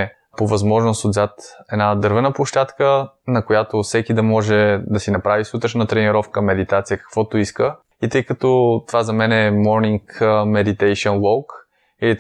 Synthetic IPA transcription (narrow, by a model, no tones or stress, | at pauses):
povɐzmɔʒnosod̪zat̪ɛd̪nad̪ɤɾvɛnəpoʃt̪at̪kə | nɐkojat̪ofsɛkid̪ɐmɔʒɛd̪ɐsinɐpɾavisut̪ɾəʃnət̪ɾɛniɾɔfkəmːɛd̪it̪at̪sijəkɐ̥kvɔt̪oiskə | it̪ɤjkɐt̪ɔt̪ovazɐmɛnɛːmɔɾniŋkmɛd̪it̪ɛjʃɛnlˠɔlˠk | ii